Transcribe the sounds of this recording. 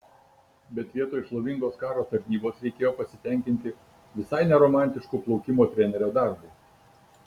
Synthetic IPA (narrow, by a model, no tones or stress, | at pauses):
bʲɛt̪ʋʲiɛt̪oːɪʃlˠoʋʲɪŋɡoːskɑːɾoːt̪ɐɾʲnʲiːboːsɾʲɛɪkʲeːjoːpɐsʲɪt̪ʲɛˑŋʲkʲɪnʲt̪ʲɪ | ʋʲɪsɐɪnʲɛɾɔmɑˑnʲt̪ʲɪʃkuːplˠɔʊkʲɪmoːt̪ʲɾʲɛnʲɛɾʲoːd̪ɑˑɾbɐɪ